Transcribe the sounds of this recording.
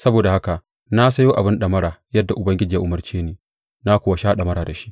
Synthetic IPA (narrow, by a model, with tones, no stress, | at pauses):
sɐ˦boː˨da˨ha˦ka˨ʔ | na˦sɐ˦joː˦ʔa˨bɪ˦nɗɐ˨mɐ˦ɾaː˨jɐ˦dːa˨ʔʊ˨bɐ˦ŋɡʲɪ˦d͡ʒɪ˨ja˦ʔʊ˨mɐ˨rt͡ʃeː˦neː˨ | na˦kʷʊː˦˨wa˨ʃaː˦ɗɐ˨mɐ˦ɾaː˨da˨ʃi̥˦ʔ